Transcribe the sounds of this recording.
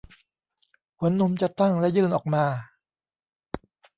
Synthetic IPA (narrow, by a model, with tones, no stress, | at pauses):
kʰu˨˩˦ənːu˧˥mt͡ɕa˨˩t̪a˥˩ŋlɛ˦˥ʔjɯː˧˩nʔɔː˨˩k̚maː˧